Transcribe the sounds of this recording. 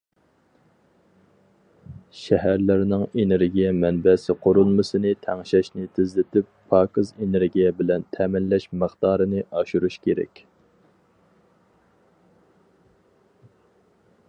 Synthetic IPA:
ʃɛɦæɾlɪɾnɪŋeneɾɡʲijɛmɛnbɛsɪqʰoɾulˠmɨsɨnɪt̪ʰɛŋʃɛʃnɪt̪ʰɪzlɪt̪ʰɪpʰːɑːkɨzeneɾɡʲijɛbɪlɛnt̪ʰɛːmɪnlɛʃməχd̪ɑːɾɨnɨʔɑʃuɾuʃkʲʰeɾɛ̰kʲ

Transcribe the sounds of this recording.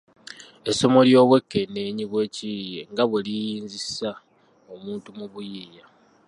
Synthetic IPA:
e̞so̞mo̞ljo̞ːβwe̞kːe̞nːe̞ːɲiβwe̞ːcijeŋɡaβwelijiːnzisa | o̞muːntumuβujiːja

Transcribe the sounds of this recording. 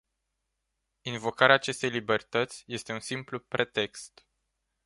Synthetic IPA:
invo̞kaɾeaːt͡ʃe̞st̪e̞jlibe̞rt̪ət̪sʲje̞st̪e̞unsimplupɾʔe̞t̪e̞kst̪

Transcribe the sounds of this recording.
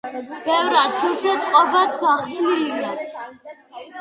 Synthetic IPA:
b̥ɛvɾad̪ɡilˠsɛt̪sʼqʼɔbat̪ʰɡaχsnilia

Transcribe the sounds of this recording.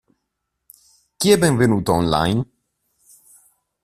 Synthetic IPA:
kʲɛbɛnvɘnut̪ɔnla̰jn

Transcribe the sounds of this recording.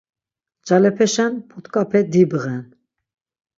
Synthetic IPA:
d͡ʒalɛpʰɛʃanpʰut̪ʰkʼapʰɛd̪ibəʁɛn

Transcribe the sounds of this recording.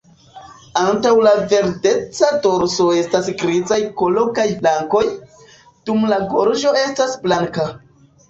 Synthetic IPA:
antawlave̞ɾde̞t͡sado̞ɾso̞e̞stasɡɾizajkolo̞kajflaŋko̞j | d̥umlaɡo̞ɾʒo̞e̞stasblaŋka

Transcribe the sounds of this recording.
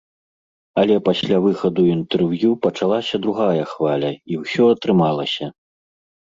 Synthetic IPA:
ɐlʲɛpasʲlʲavɨxɐd̪uint̪ɛrvjupɐt͡ʂalˠasʲɐd̪ɾuɣajɐxvalʲɐiwsʲɔɐt̪ɾɨmalˠɐsʲɐ

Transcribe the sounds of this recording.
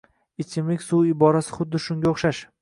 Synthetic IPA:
ɪt͡ʃʰɪmlɪkʲsuwɪbɒɾasɪ̥χʊd̪ːɪʃʊŋɡʲaoχʃaʃ

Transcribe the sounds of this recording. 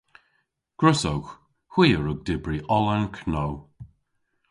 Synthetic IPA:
ɡ̥ɹʊsowx | hwiːəɹʊɡ̚dɪbɹiʔɔlankʰnow

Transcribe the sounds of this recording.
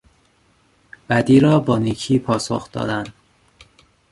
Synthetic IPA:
b̥æd̪iːɾɒːbɒːniːcʰiːpʰɒːso̰xd̪ɒ̰ːd̪ænd̪̥

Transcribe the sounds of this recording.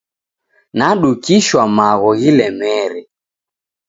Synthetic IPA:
naɗukiʃwamaɣɔɣilɛmɛɾɛ

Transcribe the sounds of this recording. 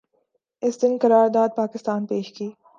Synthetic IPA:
ɪsd̪ɪnkɐɾaːɾd̪aːd̪̚paːkɪst̪aːnpeːʃɡiː

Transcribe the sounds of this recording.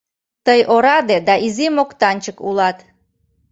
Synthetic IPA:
t̪əjoɾɑd̪ed̪ɑʔizimokt̪ɑnʲt͡ɕəkulɑt̪

